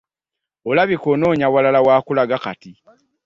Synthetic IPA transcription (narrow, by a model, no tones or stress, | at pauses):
olaβikono̞ːɲawalalawaːkulaɡaka̰ti